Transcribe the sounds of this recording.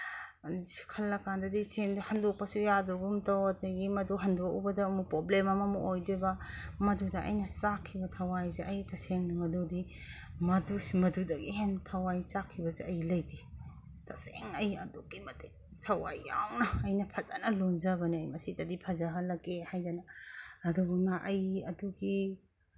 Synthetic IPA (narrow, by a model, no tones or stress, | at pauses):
si̥kʰɐlːɐkandɐdisemduhɐndok̚pɐsujadoɡumtɐwɐtɐɡimɐduɦɐndokubɐdɐːmupɾoblemɐmɐmuʔojdebɐmɐdudɐʔɐ̰jnɐsakʰːibɐtʰɐwajzeʔɐjtʰɐseŋnɐmɐdudi | mɐdusmɐdudɐɡiɦentʰɐwajt͡ʃakʰːibɐzeɐjlɐjdi | tʰaseŋɐjɐ̰duɡimɐti | tʰɐwa̰jːa̰wnɐːjnɐpʰɐzanɐlunzabɐniɐjmɐsidɐdipʰɐzɐɦɐlɐkːehajdanɐɐduɡumnɐʔɐjɐduɡi